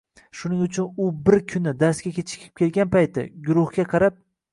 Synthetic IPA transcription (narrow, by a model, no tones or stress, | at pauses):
ʃʊnɪŋʊt͡ʃʰʊnʊbɪɾkʲʰʊnɪd̪aɾsɡʲakʲet͡ʃʰɪ̥kʲʰɪ̥p̚kʲʰe̞lɡʲanpajt̪ʰɪ̰ɡʊɾʊhɡʲaqʰɑɾap̚